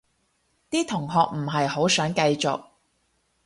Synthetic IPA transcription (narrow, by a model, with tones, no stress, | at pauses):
t̪iː˥t̪ʰʊ˨˩ŋɦɔː˨k̚m̩˨˩ɦɐ˨jho˨˥wsœː˨˥ŋkɐ˧jt͡sʊ̰˨k̚